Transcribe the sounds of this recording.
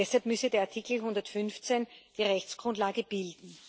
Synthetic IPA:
ɛshalpmʏsədeːɐaɐtʰikl̩ɦʊ̃ndɐtfʏnft͡send̥iːʁɛçt͡sɡ̥ʁʊntlaːɡəb̥ɪldn̩

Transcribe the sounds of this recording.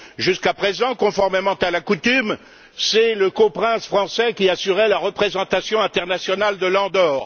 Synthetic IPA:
ʒyskapχezɑ̃kɔ̃fɔʁmemɑ̃t̪alakut̪ym | sɛləkopχɛ̃sfχɑ̃sɛkʲiasyʁɛlaʁəpχezɑ̃t̪asjɔ̃ɛ̃t̪ɛʁnasjɔnald̪əlɑ̃d̪ɔːʁ

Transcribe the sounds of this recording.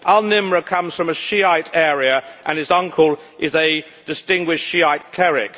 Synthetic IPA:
ʔaənɪ̃mɹəkʰʌ̃mz̥fɹə̃məʃiaɪtɛːɹiəʔə̃nɨzʌ̃ŋkʰəlˠ | ʔɪzɨ | d̥ɨstɪ̃ŋɡwɪʃʃiaɪt̚kʰl̥ɛɹɪ̰k

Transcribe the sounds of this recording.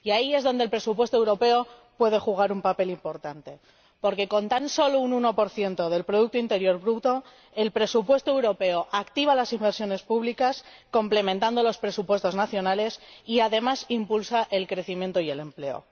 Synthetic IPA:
iaie̞zðo̞nd̪elpɾe̞supwe̞st̪oewɾo̞pe̞opwe̞ð̞e̞xuɣ̞aɾumpape̞limpo̞ɾt̪ant̪e̞ | po̞ɾke̞ko̞nt̪anso̞loununo̞po̞ɾθje̞nt̪o̞ðe̞lpɾo̞ðuk̚t̪oint̪e̞ɾjo̞ɾβɾut̪o̞ | e̞lpɾe̞supwe̞st̪oe̞wɾo̞pe̞oʔakt̪iβ̞alasimbe̞ɾsjo̞ne̞spuβlikasko̞mple̞mẽnt̪and̪o̞lo̞spɾe̞supwe̞st̪o̞znaθjo̞nale̞siaðe̞masimpulsaʔe̞lkɾe̞θimjent̪o̞ie̞le̞mple̞o̞̰

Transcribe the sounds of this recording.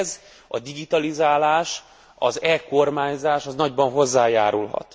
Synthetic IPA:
z | ɒd̪iɡit̪ɒlizaːlaːʃ | ɒ̰zɛko̞rmaːɲzaːʃɒznɒɟbɒnɦo̞zːaːjaːɾulɦɒ̰t̪

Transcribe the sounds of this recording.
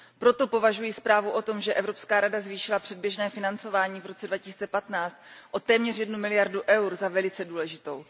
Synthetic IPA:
pɾo̞t̪o̞po̞vaʒujispɾaːvuʔo̞t̪o̞mʒɛʔɛvɾo̞pskaːɾadazviːʃɪlapr̥ɛd̚bjɛʒnɛːfɪnant͡so̞vaːɲiːvɾo̞t͡sɛdvacɪsiːt͡sɛpat̪naːt͡st̪̚ʔo̞t̪ɛːmɲɛrjɛdnumɪlɪjaɾduʔɛwɾzavɛlɪt͡sɛduːlɛʒɪt̪o̞w

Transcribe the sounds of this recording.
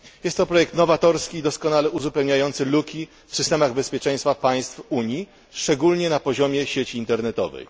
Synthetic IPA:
jɛst̪ːɔpɾɔjɛk̚t̪nɔvat̪ɔɾskʲiːd̪ɔskɔnalɛuzupɛwɲajɔnt̪sɘlukʲi | fsɘst̪ɛmaɣbɛspʲjɛt͡ʂɛ̃j̃st̪fapaj̃st̪fuɲi | ʂt͡ʂɛɡulɲɛnapɔʑɔmʲjɛɕet͡ɕiːnt̪ɛɾnɛt̪ɔ̰vɛ̰j

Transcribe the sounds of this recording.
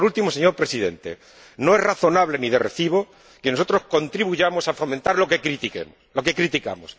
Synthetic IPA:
ɾult̪imo̞seɲo̞ɾpɾe̞siðe̞̰nt̪e̞̰ | no̞e̞zraθo̞naβle̞niðereθiβ̞o̞ | keno̞so̞t̪ɾo̞sko̞nt̪ɾiβuʝamo̞safo̞mẽnt̪aɾlo̞ke̞kɾit̪ikḛmolo̞ke̞kɾit̪ika̰mos

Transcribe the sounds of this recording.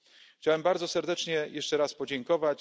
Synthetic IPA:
xt͡ɕawɛmbaɾd̪zɔsɛɾd̪ɛt͡ʂɲɛjʔɛʂt͡ʂɛɾaspɔd͡ʑɛŋkɔvat͡ɕ

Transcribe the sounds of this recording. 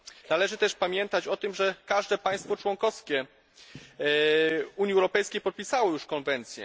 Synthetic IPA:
nalɛʐɘt̪ɛʂpamʲjɛnt̪at͡ɕɔt̪ɘmʐɛkaʐd̪ɛpaj̃st̪fɔt͡ʂwɔŋkɔskʲɛ | uɲjiɛwɾɔpɛjskʲejpɔt̪̚pʲisawɔjuʂkɔnvɛnt̪sʲjɛ̰

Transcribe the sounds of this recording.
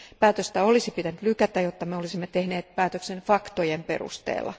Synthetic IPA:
pæːt̪øst̪æolisipit̪ænyt̪lykæt̪æjot̪ːɑmeolisimːet̪ehneːt̪̚pæːt̪øksenfɑkt̪ojempḛrṵst̪ḛːlːɑ̰

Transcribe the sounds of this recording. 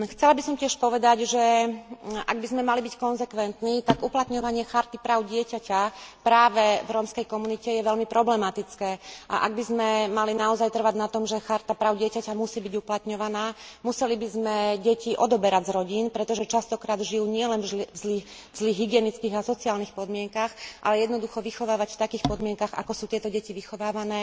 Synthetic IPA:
xt͡sɛlabisɔmcɪɛʃpɔʋɛd̪aɟʒɛ | ʔa̰ɡ̚bizmɛmalibickɔnzɛkʋɛnt̪niːt̪aɡuplat̪ɲɔʋaɲɪɛxaɾt̪ipɾaːʊɟɪɛcacapɾaːʋɛvɾɔmskɛjkɔmunicɛjɛʋɛlmipɾɔblɛmat̪it͡skɛːʔa̰ʔa̰ɡ̚bizmɛmalinaɔzajt̪r̩ʋaɟnat̪ɔmʒɛxaɾt̪apɾaːʊɟɪɛcacamusiːbiɟuplat̪ɲɔʋanaːmusɛlibizmɛɟɛciʔɔd̪ɔbɛɾaɟzɾɔɟiːnpɾɛt̪ɔʒɛt͡ʃast̪ɔkɾaːd̪ʒijuːɲɪɛlɛnvzli | zliːɣɦiɡɪɛnit͡skiːɣasɔt͡siaːlnixpɔd̪mɪɛŋkaxʔa̰lɛjɛd̪nɔd̪uxɔʋixɔʋaːʋacft̪akiːxpɔd̪mɪɛŋkaɣa̰kɔsuːt̪ɪɛt̪ɔɟɛciʋixɔʋaːʋanɛː

